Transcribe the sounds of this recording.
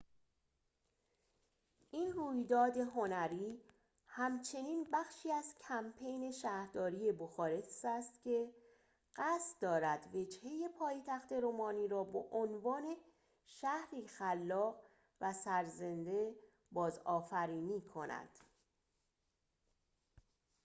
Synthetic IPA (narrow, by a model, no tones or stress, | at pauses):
ʔiːnruːjd̪ɒːd̪e̞ɦo̞næɾiː | hæmt͡ʃʰe̞niːnbæxʃiːæz̥cʰæmpʰe̞jne̞ʃæːhɾd̪ɒːɾije̞boxɒːɾe̞sæːst̪cʰe̞ | ɢ̥æst̪d̪ɒːɾæd̪ve̞d͡ʒhe̞je̞pʰɒːjt̪ʰæxt̪e̞ɾomɒːniːɾɒːbeʔonvɒːne̞ | ʃæhɾiːxælːɒːɣ | væsæɾze̞nd̪e̞ | bɒːzɒːfæɾiːniːkʰo̞næ̰d̪̥